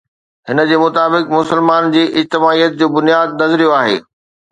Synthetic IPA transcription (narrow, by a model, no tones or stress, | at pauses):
ɦɪnə̆d͡ʑeːmʊt̪aːbɪkmʊsəlmaːnd͡ʑiːʔɪd͡ʑt̪ɪmaːijət̪̚d͡ʑoːbʊnijaːd̪̚nɐzɾijoaːɦḛː